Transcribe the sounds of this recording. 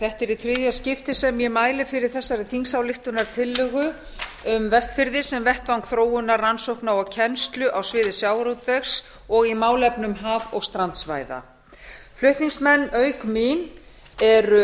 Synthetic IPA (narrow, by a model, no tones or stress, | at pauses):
θɛht̪ɛɾiθɾɪðjascɪft̪ɪsɛmjɛmaːjlɪfɪɾɪɾ̥θɛsːaɾɪθiŋsawlɪht̪ʏnaɾ̥t̪ʰɪlːʏːɣʏ | ʏmvɛst̪fɪɾðɪsɛmvɛht̪vaŋkθɾoːwʏnːarransowhknaɔɣcʰɛnst̪lʏʔawsvɪːðɪsjaːwɾut̪vɛxs | ɔɣimaːwlɛpnʏmɦaːvɔɣst̪ɾant̪sva̰ːjða̰ | flʏht̪niŋsmɛnːœːɥkmin | ɛɾ